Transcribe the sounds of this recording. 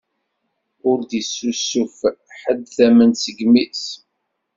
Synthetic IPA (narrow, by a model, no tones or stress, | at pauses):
ʊɾd̪isːusːufħəd̪θæmənsəɡmis